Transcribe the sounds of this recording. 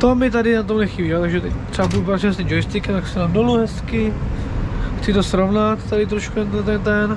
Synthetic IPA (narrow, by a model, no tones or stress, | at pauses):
t̪omɪt̪adɪnat̪o̞mlɛxiːbiot̪aɡʒɛt̪ɛc̚t̪r̥ɛbabudupɾat̪simɛs̬t̪ʲimd͡ʒojɪst̪ɪkɛmt̪aksnadoluɦɛskɪ | xt͡sɪt̪osɾovnat̪t̪adɪt̪ɾoʃkut̪ɛnt̪ot̪ɛnt̪ɛn